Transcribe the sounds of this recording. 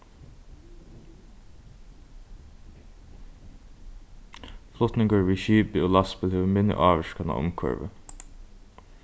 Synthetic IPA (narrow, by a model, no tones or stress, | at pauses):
flʊt̪nɪŋkəɹʋiːʃiːpɪoːlɑspɪlheːʋəmɪnjə̰ʔɑːʋəʃkana̰ːʔʊ̰mkʰœ̰ɹʋə̰